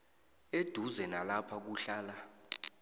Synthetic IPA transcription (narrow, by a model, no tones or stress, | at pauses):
ed̥ʱuzɛnalapʰak̬uɬaːla